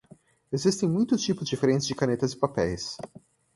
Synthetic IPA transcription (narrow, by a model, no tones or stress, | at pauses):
ezist̪ẽj̃mũj̃t̪ʊt͡ʃipʊzɪd͡ʒifeɾẽnt̪t͡ʃɪzd͡ʒɪkanet̪ɐzɪpapɛ̰js